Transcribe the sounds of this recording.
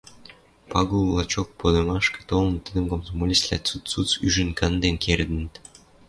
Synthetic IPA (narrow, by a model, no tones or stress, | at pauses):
pɑɡulˠɑt͡ɕok̚pod̪ɤmɑʃkɤ̥̆t̪olə̆nt̪əd̪ə̆mkomzomolʲislʲæ̰t͡sut̪t͡sut͡syʒə̆nkɑnd̪enkʰerd̪ə̆nt̪